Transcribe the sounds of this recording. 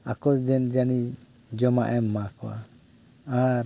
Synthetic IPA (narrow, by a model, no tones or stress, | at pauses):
akɔsd͡ʒɛnd͡ʒani | d͡ʒɔmaʔɛmːakɔwa̰ | aɾ